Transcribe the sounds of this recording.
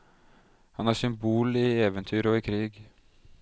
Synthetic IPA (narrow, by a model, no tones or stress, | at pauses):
hɑnæːsʏmbuːliːeːʋənt̪ʰyːɾɔːiːkʰɾiːɡ